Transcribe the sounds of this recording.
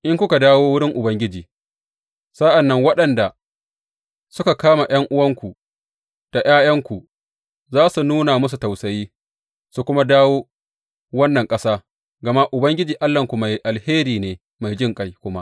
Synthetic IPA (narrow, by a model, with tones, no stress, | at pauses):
ʔɪ˦ŋkʷʊ˦ka˨daː˦woː˦wʊ˦ɽɪ˦ŋʔʊ˨bɐ˦ŋɡʲɪ˦d͡ʒiː˨ | sa˦ʔa˨nːɐ˦ŋwɐ˦ɗɐ˨nda˨ | sʊ˦ka˨kaː˦ma˨j̰ɐ˦ŋʔʊ˦wɐ˦ŋkʷu˨ | d̥a˨j̰aː˦jɐ˦ŋkʷu˨ | zaː˦su˨nuː˦na˨mʊ˦s̬u˨ta˨wsɐ˨jiː˦ | su˨kʷʊ˦ma˦daː˦woː˦ | wɐ˦nːɐ˨ŋkʼɐ˦saː˦ | ɡɐ˨ma˦ʔʊ˨bɐ˦ŋɡʲɪ˦d͡ʒiː˨ʔa˦lːɐ˨ŋkʷu˨ma˨jʔa˨lheː˦ɾiː˨neː˨ | ma˨jd͡ʒɪ˦ŋkʼɐ˦jkʷʊ˦ma˦ʔ